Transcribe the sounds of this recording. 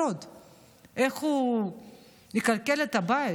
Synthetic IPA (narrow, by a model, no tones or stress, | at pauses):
od̪ | eχu | nikalkelet̪abai